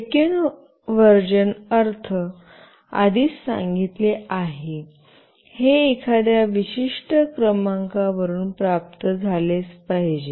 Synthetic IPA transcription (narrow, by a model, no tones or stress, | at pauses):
eken | ʋəɾd͡ʑənəɾt̪ʰə | a̰d̪iːssã̰ŋɡit̪leaɦe | heekʰad̪jaʋiɕiʂʈəkɾəmãŋkaʋəɾuːnpɾap̚t̪əd͡zʱalespaɦd͡ʑe